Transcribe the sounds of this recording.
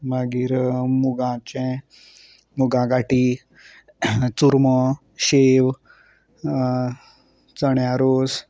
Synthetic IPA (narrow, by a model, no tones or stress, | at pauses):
maɡiːɾmuɡãt͡ɕɛ̃ | muɡãɡaʈi | t͡suɾmə | ɕeʋ | t͡səɳjaɾos